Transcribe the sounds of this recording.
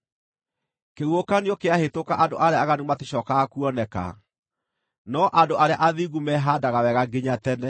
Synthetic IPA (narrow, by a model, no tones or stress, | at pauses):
keɣwokanjɔkeahetokaʔando̰ʔaɾeaːɣanemateɕɔkaakuɔnɛka̰ | nɔʔandoʔaɾea̰ʔaðiɣumɛɦadaɣawɛɣaɡeɲatɛnɛ